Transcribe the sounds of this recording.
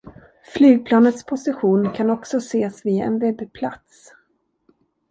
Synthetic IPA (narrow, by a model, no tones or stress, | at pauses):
flyːɡ̚pʰlɑːnət̪spʰʊsɪɧuːnkʰanɔksɔseːsvɪɛ̰nvɛbepʰla̰t̪s